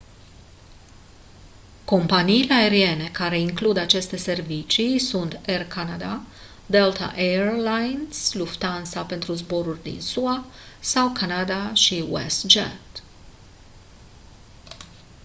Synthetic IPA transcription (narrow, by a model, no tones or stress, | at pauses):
ko̞mpaniːleae̞ɾie̞ne̞kaɾe̞iŋklud̪at͡ʃe̞st̪e̞se̞rvit͡ʃijsunt̪e̞rkanad̪a | d̪e̞lt̪a̰ʔerlajnsluft̪ansape̞nt̪ɾuzbo̞ɾurʲd̪ḭnsuasawkanad̪aʃiwḛst̪d͡ʒat̪